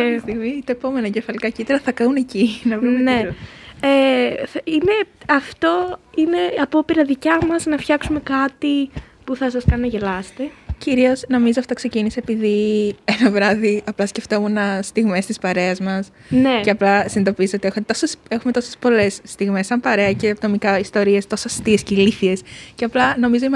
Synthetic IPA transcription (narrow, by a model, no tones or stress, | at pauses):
st̪iɣmit̪ɐepo̞me̞nɐce̞fɐlikɐcit̪ɐɾɐθɐkɐune̞cinɐvne | e | ine̞ɐft̪o̞ine̞ɐpo̞piɾɐðicɐmɐznɐfçɐksume̞kɐt̪ipuθɐsɐskɐnnɐʝelɐst̪eciɾio̞zno̞mizoɐft̪o̞kse̞ciniseːpiðie̞nɐvɾɐðiɐplɐsce̞ft̪o̞munɐst̪iɣme̞st̪ispɐɾe̞ɐzmɐs | neceɐplɐsinid̪o̞piso̞t̪ie̞xumet̪o̞sese̞xumet̪o̞sespo̞le̞sːt̪iɣme̞sːɐmpɐɾe̞ɐce̞pt̪o̞mikɐist̪o̞ɾiest̪o̞sost̪iesceliθie̞sceɐplɐno̞mizoim